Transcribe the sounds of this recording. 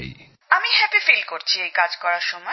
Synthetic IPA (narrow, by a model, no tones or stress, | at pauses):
j | amiɦɛpifilkoɾt͡ɕʰiejkad͡ʑkɔɾaɾʃɔmɔ